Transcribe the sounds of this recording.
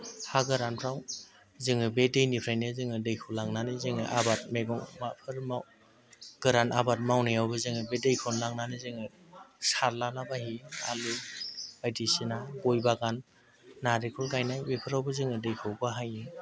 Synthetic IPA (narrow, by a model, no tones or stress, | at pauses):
haɡɯɾanpʰɾaw | zɯŋɯbedejnipʰɾajnɯzɯŋɯdɯjkʰɯlaŋnanɯzɯŋɯʔabat̚meɡɔŋmapʰɯɾmaw | ɡ̥ɯɾanabat̚mawnijawbɯzɯŋɯbedejkʰɔnlaŋnanizɯŋɯ | saɾlanabahia̰lɯbajdisinaɡɔjbaɡanː | aɾikʰɔlɡajnajwipʰɯɾawbɯzɯŋɯdɯjkʰɯwbaɦajɯ